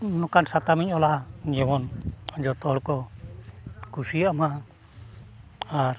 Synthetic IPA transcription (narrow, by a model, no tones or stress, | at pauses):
nɔkansat̪amiɲɔlaʔɡɛwɔnd͡ʒɔt̪ɔɽkɔ | kusijaʔma | aɾ